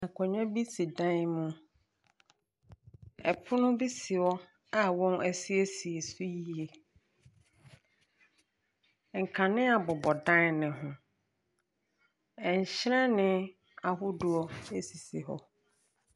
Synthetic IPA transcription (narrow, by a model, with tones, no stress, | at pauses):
ã˨kʰɔ˨ɲã˦bi˦si˨dã˦mʊ̃˦ | ɛ˨pʰʊ˦nʊ̃˦bi˦si˨ɔ˦ | a˨wɔ̃˦næ˦si˦e˦si˨e˨su˦ji˦˨˦e˨ | ŋ̩˨kʰa˨nɪ̃˦a˨bɔ˨bɔ˨dã˦n˨nɪ̃˨ɦʊ̃˨ | ɛ˨ɲ˨ɕɾɛ̃˦nɪ̃˦ | a˨ɦʊ˦dʊ˨ɔ˦e˦si˨si˨ɦɔ̰˨